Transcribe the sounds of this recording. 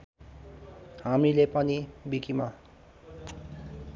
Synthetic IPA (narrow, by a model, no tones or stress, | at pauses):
ɦamilepʌnibikima